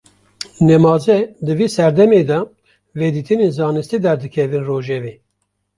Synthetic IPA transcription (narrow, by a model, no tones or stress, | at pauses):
nɛmɑːzɛd̪ɨviːsæɾd̪ɛmeːd̪ɑ | ved̪iːt̪ʰɨnenzɑːnɨst̪id̪ɛɾd̪ɨkʰɛvɨnroːʒɛveː